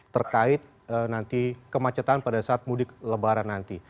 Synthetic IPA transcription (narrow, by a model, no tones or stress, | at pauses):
t̪ərkaɪt̪̚ | ənant̪ikəmat͡ʃət̪anpadasaat̪̚mudɪkləbaɾanːant̪i